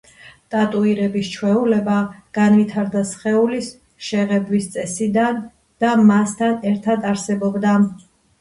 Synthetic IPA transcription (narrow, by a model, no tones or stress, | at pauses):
t̪ʼat̪ʼuiɾɛbist͡ʃʰwɛulɛbaɡ̥anvit̪ʰaɾd̪asχɛulis | ʃɛʁɛbwist̪sʼɛsid̪an | d̪̥amast̪ʰanɛɾt̪ʰad̪aɾsɛbɔbd̪a